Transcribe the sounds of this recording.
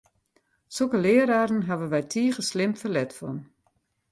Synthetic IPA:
sokəlɪːəɾaːɾən̩ɦaʋəʋɛjtʰiːəɣəslɪmfəlɛtfɔ̰n

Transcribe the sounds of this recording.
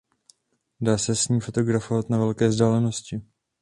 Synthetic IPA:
daːsɛsɲiːmfo̞t̪o̞ɡɾafo̞vat̪navɛlkɛːvzdaːlɛno̞scɪ

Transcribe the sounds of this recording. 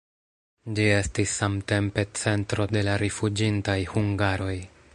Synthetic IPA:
d͡ʒie̞stisːamte̞mpe̞t͡se̞ntɾo̞de̞laɾifud͡ʒintajhuŋɡaɾo̞j

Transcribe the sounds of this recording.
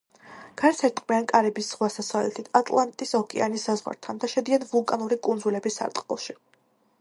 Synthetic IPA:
ɡ̥aɾsʰɛɾt̪ʼqʼmiankʼaɾɛbisːʁwasasavlɛ̰t̪ʰit̪ʰat̪ʼlˠant̪ʼisɔhkʼɛanisːazʁwa̰ɾt̪ʰand̪aʃɛd̪ianvulˠkʼanuɾikʼund̪zulɛbisːa̰ɾt̪ʼqʼɔ̰lˠʃi

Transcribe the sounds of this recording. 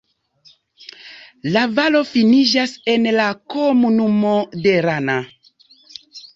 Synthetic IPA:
lavalo̞finid͡ʒase̞nlakomunumode̞ɾana

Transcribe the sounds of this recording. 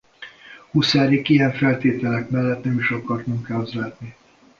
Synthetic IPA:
husaːɾikijɛɱfɛlt̪eːt̪ɛlɛkmɛlːɛt̪nɛmiʃɒkɒrt̪uŋkaːzlaːt̪ni

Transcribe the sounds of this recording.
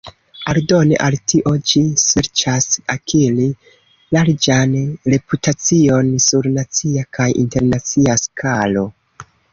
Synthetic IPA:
aldo̞nḛʔaltʰiʔo̞d͡ʒiseɾt͡ʃasakʰili | laɾd͡ʒanɾe̞putat͡sio̞nsuɾnat͡siakʰajʔḭnte̞ɾnat͡siaskʰalo̞

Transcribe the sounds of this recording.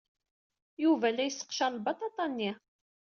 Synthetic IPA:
juvælæjəsːə̥qʃɑɾˤlbɑt̪ˤɑt̪ˤɑnːi

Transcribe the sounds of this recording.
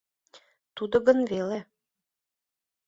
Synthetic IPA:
t̪ud̪ŏɣə̆nvele

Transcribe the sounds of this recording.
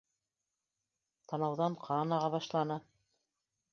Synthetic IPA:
t̪ɑnɑwðɑɴqʰɑnɑʁɑβɑʃlˠɑnɤ

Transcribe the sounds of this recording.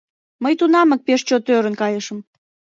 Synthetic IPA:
məjt̪unɑmə̆k̚peʃt͡ɕot̪øɾə̆nkɑjəʃə̆m

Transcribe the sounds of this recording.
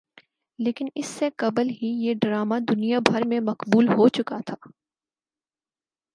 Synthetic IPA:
leːkɪnɪsːeqɐblɦijeɖɾaːmad̪ʊnijabʱɐɾmẽmɐqbuːlɦot͡ʃʊkat̪ʰaː

